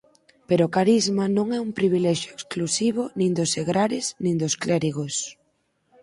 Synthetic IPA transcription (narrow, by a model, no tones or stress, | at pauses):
peɾoʊkaɾizmanõŋɛumpɾiβ̞ilɛʃjoeksklusiβʊnĩŋd̪ʊseɣɾaɾɪsnĩnd̪osklɛɾiɣos